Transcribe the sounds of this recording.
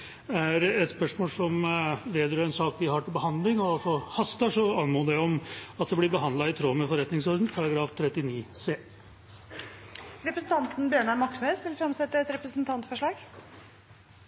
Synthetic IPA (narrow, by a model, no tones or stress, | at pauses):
æɾɛt̪spœʂmoːlsɔmʋeːd̪jəɾɛnsɑːkʋɪhɑʈɪlbəhɑnd̪lɪŋɔɑlsɔhɑst̪əʂɔɑnmoːd̪æɔmɑt̪̚d̪ɛblɪɾbəɦɑnd̪lɑɪt̪ʰɾoːmɛfɔɾɛt̪nɪŋsɔɾd̪n̩pʰɑɾɑɡɾɑːft̪ʰɾɛt̪ːɪniːseː | ɾɛpɾəsn̩t̪ʰɑnt̪n̩bjøːɳɑɾmɑksmeːsʋɪlfɾɛmsɛt̪ːəɛt̪ɾɛpɾəsnt̪ʰɑnt̪fɔʂɭɑːɡ